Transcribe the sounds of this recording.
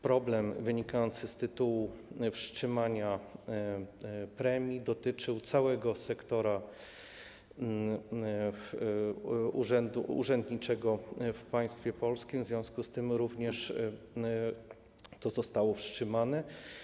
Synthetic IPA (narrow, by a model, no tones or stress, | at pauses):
pɾɔblɛmvɘɲikajɔnt̪sɘst̪ɘt̪uwufʂt͡ʂɘmaɲa | pɾɛmʲjid̪ɔt̪ɘt͡ʂɘwt̪sawɛɡɔsɛkt̪ɔɾa | uʐɛnd̪ṵṵʐɛnd̪ɲit͡ʂɛɡɔfpaj̃st̪fʲjɛpɔlskʲimvzvʲjɔ̃w̃skust̪ɘmɾuvɲɛʂ | t̪ɔzɔst̪awɔfʂt͡ʂɘmanɛ